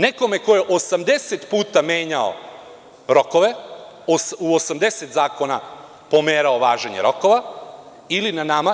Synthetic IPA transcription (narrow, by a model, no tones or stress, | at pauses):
ne̞ko̞meko̞jeʔo̞samd̪e̞set̪puːt̪ame̞ːɲao̰ | ɾo̞ko̞ʋe̞osuosamd̪e̞set̪zaːko̞na | po̞meːɾao̞ʋaːʒeɲe̞̰ɾo̞ko̞ʋa | ilinanama